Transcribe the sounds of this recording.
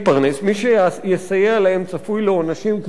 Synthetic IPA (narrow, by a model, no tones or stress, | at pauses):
pɐʁnesmiʃejesajealahemt͡sɐfujlonaʃimk